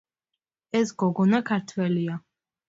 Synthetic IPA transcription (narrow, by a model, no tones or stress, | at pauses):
ɛsɡɔɡɔnakʰaɾt̪ʰwɛlia